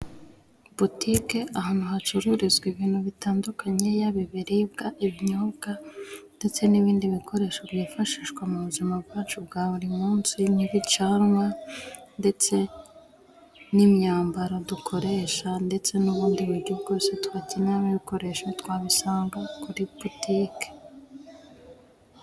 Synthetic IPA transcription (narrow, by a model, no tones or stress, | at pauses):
butike̞ʔahaːn̥huhat͡ʃuɾuɾizɡwiβiːnhuβitaːndukʰaɲe̞jaβiβiɾibɡaʔiβɲobɡande̞t͡se̞niβiːndiβikʰo̞ɾe̞ːʃoβjiːfaʃiːʃɡwamuβuzimabɡaːt͡ʃubɡaːβuɾimuːnsiniβit͡ʃanwande̞t͡se̞ | nimɲaːmbaɾodukʰo̞ɾe̞ʃande̞t͡se̞nuβuːndiβuɾɟubɡo̞ːse̞twacinamiβiko̞ɾe̞ʃwetwaːβisaːŋɡakuɾiputike̥